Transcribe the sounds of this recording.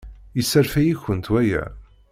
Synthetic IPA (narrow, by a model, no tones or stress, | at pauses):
jəsːæɾfæjiçənt̪wæjæ̰